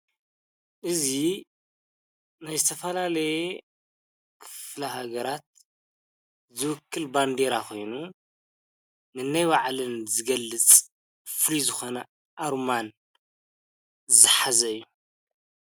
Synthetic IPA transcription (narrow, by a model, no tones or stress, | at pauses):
ʔɨzi | najzɨt̪ʰɐfɐlalɐje | kʰɨ̥flɐɦaɡɐɾat̪̚ | zɨwɨkːɨlband̪eɾaxʰo̞jnu | nɨnːajwaʕlɨnzɨɡɐlːɨt͡sʼ | flizɨxo̞nɐ | ʔaɾman | zɨħazɐɨjːu